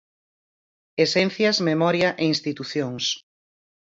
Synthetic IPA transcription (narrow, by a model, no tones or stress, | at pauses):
esɛn̟θjɐzmemɔɾjɐʔeinst̪it̪uθjoŋs